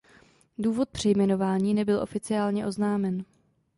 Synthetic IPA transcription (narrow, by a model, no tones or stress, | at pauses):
duːvo̞t̪̚pr̥ɛjmɛno̞vaːɲiːnɛbɪlʔo̞̰fɪt͡sɪaːlɲɛʔo̞znaːmɛn